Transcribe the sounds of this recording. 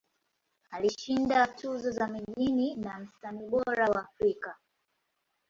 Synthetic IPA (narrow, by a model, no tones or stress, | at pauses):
aliʃindatʰuzɔzamiʄininam̩staniɓɔɾawaːfɾika